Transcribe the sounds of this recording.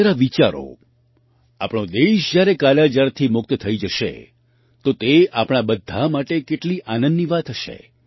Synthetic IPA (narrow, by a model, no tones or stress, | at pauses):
ɾaʋit͡ʃaɾo̰ | a̰pɳ̃od̪eʃd͡ʒjaɾekaljad͡ʒaɾt̪ʰimʊk̚t̪ət̪ʰəid͡ʒəʃḛ | t̪ot̪eʔapɽ̃abəd̪ʱːamaʈekeʈliʔanənːiʋat̪ʰɦəʃḛ